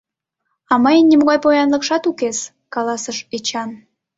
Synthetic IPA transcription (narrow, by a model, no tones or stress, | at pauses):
ɑməjənʲːimoɣɑjpojɑnlə̆kʃɑt̪ukes | kɑlɑsəʃet͡ɕɑn